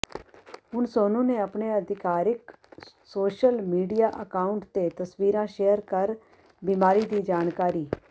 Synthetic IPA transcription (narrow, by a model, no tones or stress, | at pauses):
ɦʊnsoːnũːneːəpneːəd̪ɪkaːɾɪk | soːʃəlmiːɖijaːʔəkaːʊɳʈt̪eːt̪əsʋiːɾãːʃeːəɾkəɾ | biːmaːɾiːd̪iːd͡ʒaːnkaːɾiː